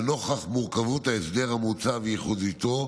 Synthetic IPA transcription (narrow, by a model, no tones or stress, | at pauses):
no̞χaχmuʁkavuthaesd̪eʁamut͡savejeχudit̪o̞